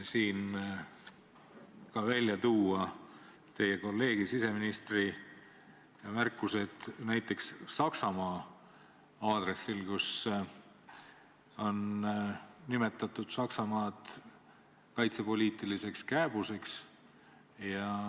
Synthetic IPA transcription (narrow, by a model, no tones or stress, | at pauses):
siːn | kɑvælʲːjɑt̪uːɑ | t̪e̞jeko̞lːe̞ːɡ̥isise̞minist̪ri | jɑmærkːˑuse̞d̪̥næjt̪ːˑe̞ksːɑksɑmɑː | ɑːd̪̥re̞sːilkus | o̞n | nime̞t̪ːˑɑt̪ːˑud̪̥sɑksɑmɑːd̪̥ | kɑjt̪sepo̞lʲiːt̪ˑilise̞kskæːb̥use̞ks | jɑ